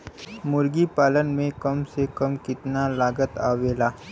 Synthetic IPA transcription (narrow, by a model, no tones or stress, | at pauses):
mʊɾɡipaːlənmẽkɐmsekɐmkɪt̪nalaːɡət̪aːʋeːlaː